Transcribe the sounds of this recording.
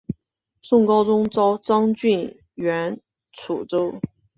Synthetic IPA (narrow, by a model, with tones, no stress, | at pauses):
sʊ˥˩ŋkɑ˥ʊt͡sʊ˥ŋt͡sɑ˥ʊt͡sɑ˥ŋt͡ɕy˥˩n | ɥɛ˧˥n | t͡sʰu˨˩ʈ͡ʂo˥ʊ